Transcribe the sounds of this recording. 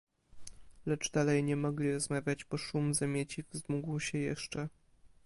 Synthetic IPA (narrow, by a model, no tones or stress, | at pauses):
lɛt͡ʂd̪alɛjɲɛmɔɡlʲiɾɔzmavʲjad͡ʑbɔʂumzamʲjet͡ɕivzmuɡwɕɛjɛ̰ʂt͡ʂɛ